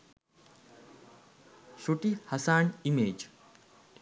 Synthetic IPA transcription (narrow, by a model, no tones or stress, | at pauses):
ʃuʈihɐsaːnimeːd͡ʒ